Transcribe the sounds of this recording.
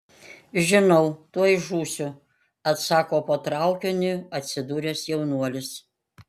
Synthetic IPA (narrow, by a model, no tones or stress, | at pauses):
ʒʲɪnɔʊt̪uɔjɪʒuːsʲʊ | ɐt̪sɑːkoːpoːt̪ɾɑˑʊkʲonʲɪɐt̪ʲsʲɪd̪uːɾʲesjɛʊnuɔlʲɪs